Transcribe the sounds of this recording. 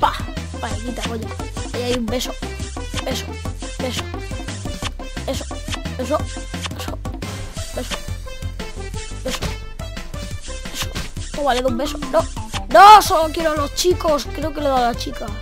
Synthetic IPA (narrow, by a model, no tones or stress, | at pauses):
papaeɣit̪akoɲoajaiumbe̞so | be̞so | be̞so | eso̥ | es̬o | eso | be̞so̥ | beso | esot̪oβaleðumbe̞sononõsolokje̞ɾoalo̞st͡ʃikoskɾe̞oke̞leðalat͡ʃika